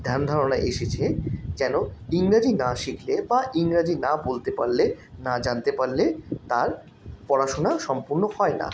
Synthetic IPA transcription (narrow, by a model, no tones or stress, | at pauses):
d̪ʱand̪ʱaɾonaʔeʃet͡ɕʰed͡ʑɛnoiŋɾad͡ʑinaʃiklebaʔiŋɾad͡ʑinabolt̪epa̰ɾle | nad͡ʑant̪epaɾlet̪aɾ | pɔɽaʃonaʃɔmpuɾnohɔena̰